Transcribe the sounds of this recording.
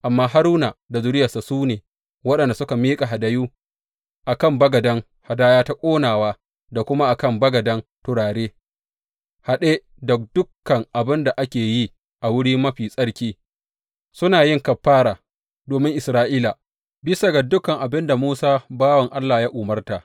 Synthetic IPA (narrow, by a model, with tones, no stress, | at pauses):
ʔa˨mːaː˦ɦa˦ɾuː˦naː˨da˨zʊ˦ɾɪ˦jɐ˨sa˨suː˦neː˨ | wɐ˦ɗɐ˨nda˨sʊ˦ka˨miː˦kʼa˨ɦa˨da˦juː˦ | ʔa˨kɐ˦˨mbɐ˦ɡɐ˨dɐ˦ŋ | ha˨daː˦jaː˦ta˦kʷʼoː˦naː˨waː˦ | da˨kʷʊ˦ma˦ʔa˨kɐ˦˨mbɐ˦ɡɐ˨dɐ˦ntʊ˨ɽaː˨ɽeː˦ | ha˨ɗe˦ | dɐ˨kdʊ˦kːɐ˨ŋʔa˨bɪ˦nda˨ʔa˦kʲeː˨ji˦ | ʔa˨wʊ˦ɽiː˦mɐ˦ɸiː˨sʼɐ˦ɽkʲiː˦ | sʊ˦naː˨jɪ˦ŋkɐ˨ɸːaː˦ɾaː˨ | doː˨mɪ˦ŋʔɪ˨sɾaː˦ʔiː˦la˨ | bɪ˦sɐ˨ɡɐ˨dʊ˦kɐ˨ŋʔa˨bɪ˦nda˨muː˦saː˦baː˦wɐ˨ŋʔa˦lːaː˨ja˦ʔʊ˨mɐ˦rta˨ʔ